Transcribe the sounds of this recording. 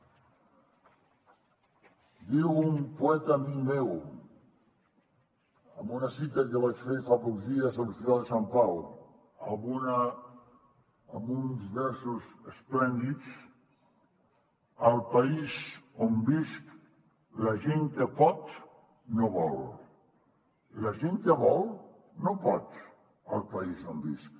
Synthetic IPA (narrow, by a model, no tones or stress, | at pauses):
d̪iwumpuɛt̪aːmikmew | əmbunɐsit̪akəβat͡ʃfefapɔzðiəzəlst̪iɾalˠd̪əsampaw | a̰βuna | munzβɛɾsuzəsplɛnd̪it͡s | əlˠpaizombisk | laʒeŋkəpɔt̪ | noβɔl | lɐʒeŋkəβɔlˠ | nopɔt̪ | əlˠpaizombḭsk̚